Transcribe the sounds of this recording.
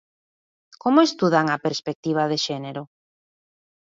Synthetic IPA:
komoest̪uðaŋapeɾspek̚t̪iβ̞aðeʃɛneɾʊ

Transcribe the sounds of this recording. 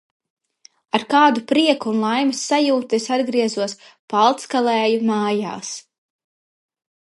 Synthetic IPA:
aɾkaːd̪upɾiɛkuːnlˠajmisːajuːt̪esad̪ɡɾiɛzuɔspalˠt̪skalˠɛːjumaːja̰ːs

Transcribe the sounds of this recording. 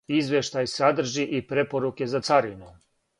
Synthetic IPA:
izʋje̞ʃt̪ajsad̪r̩ʒiʔipɾe̞po̞ɾuke̞zat̪saɾino

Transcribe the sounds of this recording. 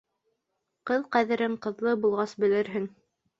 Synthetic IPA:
qɤðqæðɘ̆ɾɘɴqɤ̆ðlˠɤbulˠʁɑsbɘ̆lɘ̆ɾɦɘŋ

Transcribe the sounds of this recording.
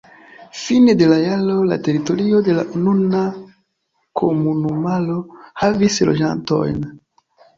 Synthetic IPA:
finede̞lajalo̞la̰te̞ɾito̞ɾio̞de̞la̰ununa | kʰomunumalo̞havislo̰d͡ʒa̰nto̞̰jn

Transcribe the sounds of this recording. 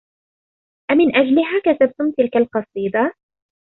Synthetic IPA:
ʔamɪnʔad͡ʒlɪɦaːkat̪ab̚t̪ʊmt̪ɪlkalqɑsˤiːd̪ɑ

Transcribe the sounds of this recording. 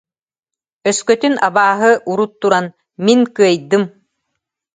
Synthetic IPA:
œskœt̪ynʔabaːɦɯʔuɾut̪ːuɾan | minkɯɐəjd̪ɯm

